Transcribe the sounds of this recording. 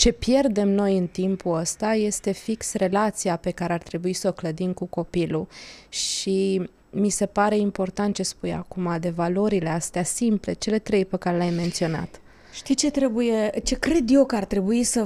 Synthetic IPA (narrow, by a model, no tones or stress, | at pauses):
t͡ʃe̞pje̞rd̪e̞mno̞jɨnt̪impuəst̪aje̞st̪e̞fiksre̞lat̪siape̞kaɾe̞art̪ɾe̞buisəokləd̪imkuko̞piluʃi | mise̞paɾe̞impo̞rt̪ant̪̚t͡ʃe̞spuja̰kumad̪e̞valo̞ɾile̞ast̪easimple̞t͡ʃe̞le̞t̪ɾe̞jpekaɾe̞lajme̞nt̪sio̞na̰t̪ | ʃt̪it͡ʃe̞t̪ɾe̞buje̞t͡ʃe̞kɾe̞d̪jo̞kəart̪ɾe̞buisə